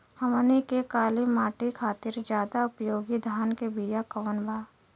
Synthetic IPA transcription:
həmənikekaːlimaːʈikʰaːt̪ɪɾd͡ʒjaːd̪aʊpjoːɡid̪ʱaːnkebiːjakəʋənbaː

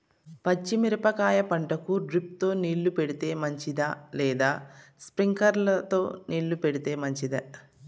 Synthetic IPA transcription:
pɐt͡ʃːimiɾɐpɐkaːjɐpɐɳʈɐkuɖɾip̚t̪o̞ːniːɭːupeɽit̪e̞ːmɐɲt͡ʃid̪alɛːd̪aːspɾiŋkɐɾlɐt̪o̞ːniːɭːupeɽit̪e̞ːmɐɲt͡ʃid̪ɐ

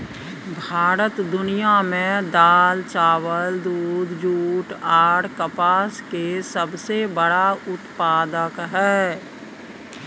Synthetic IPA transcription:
bʱaːɾət̪d̪ʊnijamẽd̪aːlt͡ʃaːwəld̪uːd̪ʱd͡ʒuːʈaːɽkəpaːskesəbsebəɽaʊt̪paːd̪əkɦɛː

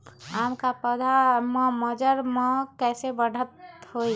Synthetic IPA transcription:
amkapəd̪ʱamə̃məd͡ʒəɾmə̃kɛːsebəɽ̤ʱət̪hoi

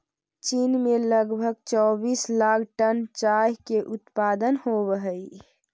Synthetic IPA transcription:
t͡ʃinmeləɡbʱəɡ̚t͡ʃɔbislakʰʈənt͡ʃajkeʔut̪pad̪ənhobəɦəi

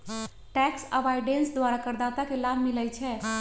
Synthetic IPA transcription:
ʈɛksəʋajɖensd̪waɾakəɾd̪at̪akelabʱmilɛjt͡ʃʰɛ

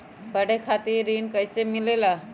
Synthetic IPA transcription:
kəɽekʰat̪iːɾiːnkəjsemilela

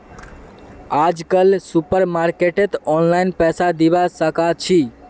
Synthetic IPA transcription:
ad͡ʒkəlsupəɾmaɾkeʈet̪ɔnlajnpɛsad̪ibasəkat͡ʃʰi

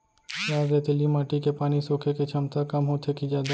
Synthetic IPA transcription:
jaːzet̪ʰɪlimaːʈikepaːnisoːkʰeket͡ʃʰɐmt̪akɐmɦoːt̪ʰekid͡ʒaːd̪a

